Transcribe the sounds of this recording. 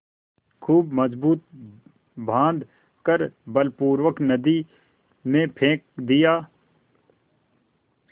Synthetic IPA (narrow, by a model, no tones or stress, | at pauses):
kʰuːbməzbuːt̪̚ | bʱãːnd̪ | kəɾbəlpuːɾʋəknəd̪i | mẽpʰẽːk̚d̪ɪjaː